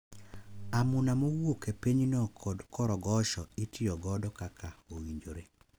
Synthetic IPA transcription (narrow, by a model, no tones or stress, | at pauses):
amunamowokepeɲnɔkʰɔdkʰɔɾɔɡɔʃɔitʰɪɔɡɔdɔkakʰaowiɲd͡ʒoɾe